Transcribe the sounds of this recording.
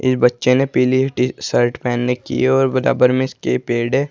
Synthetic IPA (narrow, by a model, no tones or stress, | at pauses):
ɪ̰sbɐtːʃenepiːliʈisəɾʈpɛːnːekḭeɔːɾbɐɾa̰ːbəɾmẽɪskepeːɖeː